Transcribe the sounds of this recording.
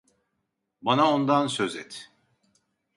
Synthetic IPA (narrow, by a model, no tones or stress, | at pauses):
banaond̪ansøzɛt̪